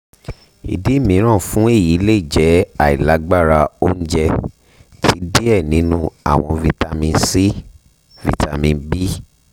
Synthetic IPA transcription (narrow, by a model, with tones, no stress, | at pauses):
ḭ˨di˨˦mĩ˨˦ɾ̃ã˦˨fũ˦e˦˨ji˨˦le˦i˦˨d͡ʒɛ˨˦a˨i˨la˨˦ɡ͡ba˦˨ɾa˧o˦n̩˦d͡ʒɛ˧ | tʰi˦di˦ɛ˦˨nĩ˨˦nũ˦a̰˦˨w̃ɔ̃˧vi˧ta˧mĩ˧˦si˦ | vḭ˧ta˧mĩ˧bi˦